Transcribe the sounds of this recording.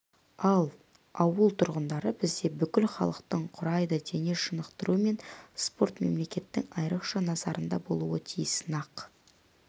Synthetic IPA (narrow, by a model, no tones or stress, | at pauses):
ɑlˠ | ɑwəlˠt̪ʰʊɾʁənd̪ɑɾəbɪzd̪e̞bʏkʲɪlχɑ̰lˠəqt̪əɴqʰʊɾɑjd̪əd̪e̞neʃənəqt̪əɾuəme̞nspo̞ɾt̪me̞̰mle̞kʲe̞t̪ːɪŋɑjɾəqʃɑnɑzɑɾənd̪ɑbo̞̰lˠuwət̪ʰijəsnɑq